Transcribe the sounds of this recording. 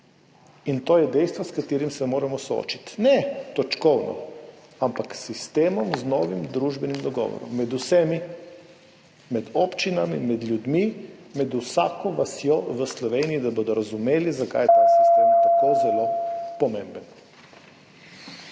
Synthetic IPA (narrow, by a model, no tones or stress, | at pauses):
int̪oːjɛd̪ɛjst̪ʋɔskat̪iːɾimsɛmoːɾɛmɔsoo̰ːt͡ʃit̪nɛt̪ɔt͡ʃkɔwnɔ̰ampaksist̪eːmɔmznɔːʋimd̪ɾuːʒbɛnimd̪ɔɡɔ̰ːʋɔ̰ɾɔ̰mːɛd̪usɛmi | mɛd̪ɔpt͡ʃinamimɛd̪lʲjud̪mimɛd̪usaːkɔʋasjɔʋəslɔʋeːniid̪abod̪ɔɾazumeːlizaka̰jt̪ast̪t̪ɛt̪ɛt̪akozɛlopɔmembən